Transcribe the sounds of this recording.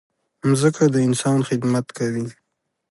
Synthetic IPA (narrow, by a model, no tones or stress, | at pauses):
mzəkad̪əɪnsɑnxɪd̪mat̪kʰawi